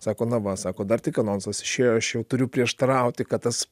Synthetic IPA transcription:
sɑːkoːnɐʋɐsɑːkoːd̪ɐrt̪ʲɪkɐnoːnsɐsɪ̥ʃʲeːjoːɐʃjɛʊt̪ʊɾʲʊpʲɾʲiɛʃt̪ɐɾɐʊt̪ʲɪkɐt̪t̪ɐs

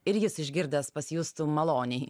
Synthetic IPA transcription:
ɪɾjɪsɪʒʲɡʲɪɾʲd̪ʲɛspɐsʲjuːst̪uːmɐlˠoːnʲɛɪ

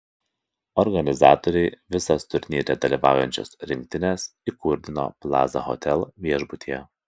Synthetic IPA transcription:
ɔɾɡɐnʲɪzɑːt̪ɔɾʲɛɪʋʲɪsɐst̪ʊɾʲnʲiːɾʲɛd̪ɐlʲiˑʋɑˑʊjɛnʲt͡ʃʲo̰sɾʲɪŋʲk̚t̪ʲɪnʲesikʊɾʲd̪ʲɪno̰plˠɑ̰ːzɐ̰ɣɔ̰t̪ʲɛlˠʋʲiɛʒbʊt̪ʲijɛ

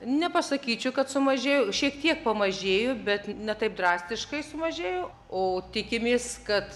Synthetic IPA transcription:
nʲɛpɐsɐkʲiːt͡ʃʲʊkɐt̪sʊmɐʒʲeːjʊʃʲiɛk̚t̪ʲiɛk̚pɐmɐʒʲeːjʊbʲɛt̪nʲɛt̪ɐɪp̚d̪ɾɑːsʲt̪ʲɪʃkɐɪsʊmɐʒʲeːjʊ | oːt̪ʲɪkʲɪmʲeːskɐt̪

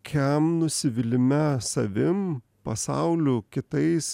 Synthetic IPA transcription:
kʲɛmnʊsʲɪʋʲɪlʲɪmʲɛsɐʋʲɪm | pɐsɑ̰ʊlʲukʲɪt̪ɐɪs

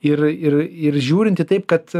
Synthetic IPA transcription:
ɪrɪɾɪrʒʲuːɾʲɪnt̪ʲɪt̪ɐɪp̚kɐt̪

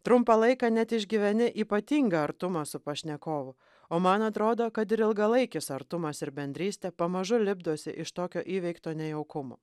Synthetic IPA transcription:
t̪ɾʊmpɐlˠɐɪkɐːnʲɛt̪ɪʒʲɡʲiʋʲɛnʲɪʔiːpɐt̪ʲiːŋɡɐɐɾt̪ʊmɐsʊpɐʃʲnʲɛkoːʋʊ | oːmɐnɐt̪ɾoːd̪oːkɐt̪ɪɾɪlˠɡɐlˠɐɪkʲɪsɐɾt̪ʊmɐsɪɾbʲɛnʲd̪ʲɾʲiːsʲt̪ʲɛːpɐmɐʒʊlʲɪbd̪oːsʲɪ̰ʔɪʃt̪oːkʲoːʔiːʋʲɛɪkt̪oːnʲɛjɛʊkʊmo̰ː

